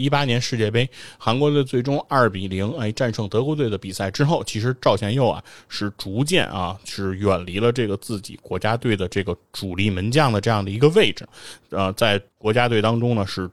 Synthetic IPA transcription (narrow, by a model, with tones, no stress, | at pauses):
i˥pa˥njɛ˧˥nʂɻ̩˥˧t͡ɕjɛ˥˩pe˥ɪxa˧˥nkwɔ˧˥˧t͡swe˥˩ɪʈ͡ʂʊ˥ŋa˞˥˩pi˨˩li˧˥ŋe˥˩ʈ͡ʂa˥˧nʂʰɤ˥˩ŋt̪ɤ˧˥kwɔ˧˥we˥˩ɪd̪ə˩pi˨˩sa˥˩ɪʈ͡ʂɻ̩˥xo˥˩ʊt͡ɕʰi˧˥ʂɻ̩˧˥ʈ͡ʂɑ˥˩ʊt͡ɕʰjɛ˧˥njo˥˩ʊɐ̰˩ʂɻ̩˥˩ʈ͡ʂu˧˥t͡ɕjɛ̰˥˩nʔɐ̰˧˥˧ʂɻ̩˥˧˥ɥɛ˨˩nli˧˥lə˧ʈ͡ʂɤ˥˩ɡə˩t͡sɹ̩˥˩t͡ɕḭ˨˩kwɔ˧˥t͡ɕja˥t̪we˥˩ɪd̪ə˩ʈ͡ʂɤ˥˩ɡə˩ʈ͡ʂu˨˩li˥˩mə˧˥nt͡ɕjɑ˥˩ŋd̪ə˩ʈ͡ʂɤ˥˧jɑ˥˩ŋd̪ə˩i˧˥ɡə˧we˥˩ɪʈ͡ʂɻ̩˨˩ə˧t͡sa˥˩ɪkwɔ˧˥t͡ɕja˥t̪we˥˩ɪt̪ɑ˥ŋʈ͡ʂʊ˥ŋnə˨ʂɻ̩˥˩